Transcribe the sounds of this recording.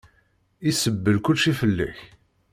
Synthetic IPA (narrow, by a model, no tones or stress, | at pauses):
isəbːəlkʊlʃifəlːæ̰ç